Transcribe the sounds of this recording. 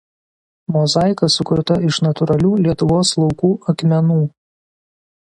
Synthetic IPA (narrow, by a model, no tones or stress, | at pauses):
mɔzɑˑɪkɐsʊkʊɾt̪ɐɪʃnɐt̪ʊɾɐlʲuːlʲiɛt̪ʊʋoːslˠɒʊkuːʔɐkmʲɛnuː